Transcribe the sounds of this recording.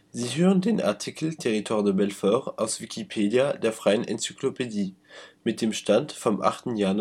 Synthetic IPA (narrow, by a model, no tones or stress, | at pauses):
ziːɦøːʁəndeːnʔa̰ɐtʰikʰl̩tʰeʁitʰoʁdəbɛlfœʁaʊsv̥ikʰipʰeːdjadeːɐfʁ̥aɪənʔɛ̰nt͡sy̥klopʰediːmɪt̚d̥eːmʃtantfɔmʔa̰χtn̩jaːn